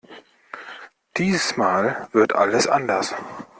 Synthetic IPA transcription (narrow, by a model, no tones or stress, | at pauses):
d̥iːzəsmaːlv̥ɪɐtʔa̰ləsʔa̰ndɐs